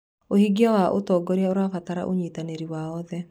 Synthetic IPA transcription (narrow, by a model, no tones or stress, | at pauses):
ohiɡiawaʔotɔɡɔɾeaoɾafataɾa̰ʔoɲitaneɾiwaɔðɛ